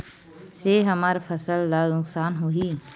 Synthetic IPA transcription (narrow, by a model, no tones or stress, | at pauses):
seɦɐmaːɾfʰɐsəlːaznʊksaːnɦoːɦiː